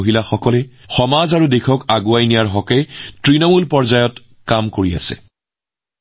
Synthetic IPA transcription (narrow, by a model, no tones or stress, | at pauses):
ɦilaxɔkɔlɛ | xɔmazaɹudexʰɔkaɡuajnijaɹɦɔkɛtɹinɔmulpɔɹzajɔt | kamkoɹia̰sɛ̰